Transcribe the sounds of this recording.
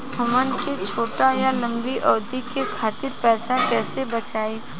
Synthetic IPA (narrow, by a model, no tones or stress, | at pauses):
t̪ʰɐmənket͡ʃʰoːʈajalɐ̃mbiʔɔːd̪ʱikekʰaːt̪ɪɾpɛːsakɛːsebɐt͡ʃaːeː